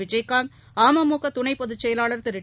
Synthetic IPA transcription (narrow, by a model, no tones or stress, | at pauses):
ɪd͡ʒɐɪkːaːn | aːmɐmuːkɐt̪ʊɳɐɪpːɔðɯt͡ʃːɛjɐlaːɭɐɾt̪ɪɾɪ